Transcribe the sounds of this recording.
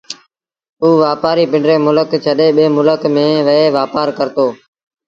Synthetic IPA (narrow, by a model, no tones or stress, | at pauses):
uːʋaːpaːɾiːpɪɳɖɾeːmʊləkt͡ʃʰəɗeːɓeːmʊləkmẽːʋəeːʋaːpaːɾkəɾt̪oː